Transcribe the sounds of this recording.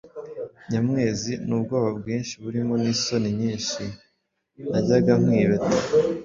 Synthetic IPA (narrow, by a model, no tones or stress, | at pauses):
ɲamŋe̞ːzinubɡo̞ːβab̚ɡiːnʃiβuɾimo̞niːso̞niɲiːnʃi | naɟaɡamŋiːβeta